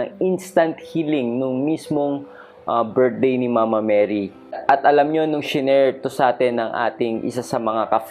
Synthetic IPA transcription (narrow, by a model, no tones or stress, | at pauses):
ɐŋʔinst̪ɐnt̪̚hilɪŋnʊŋmismoŋ | ʔabɛɹd̪̚d̪ejnɪmaːmɐmɛːɾi | ʔɐt̪̚ʔɐlɐmɲonʊŋʃɪnɛɹt̪osaːt̪ɛnːɐŋʔa̰ːt̪ɪŋʔɪ̰sasɐmɐŋakɐf